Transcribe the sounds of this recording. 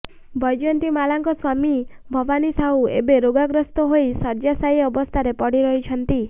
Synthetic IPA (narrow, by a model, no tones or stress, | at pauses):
bʱɔjd͡ʒɔnt̪imalaŋkɔswami | bʱɔbanisaɦuḛbeɾoɡaɡɾɔst̪ɔɦoisɔɾd͡ʒasajɔbɔst̪ʰaɾepɔɽiɾɔɦit͡ʃʰɔnt̪i